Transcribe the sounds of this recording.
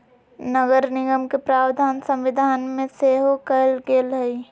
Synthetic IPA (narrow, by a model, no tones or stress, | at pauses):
nəɡəɾnɪɡəmkepɾaːwd̪ʱaːnsɐ̃mʋɪd̪ʱaːnmẽseːɦokəlɡeːlɦəi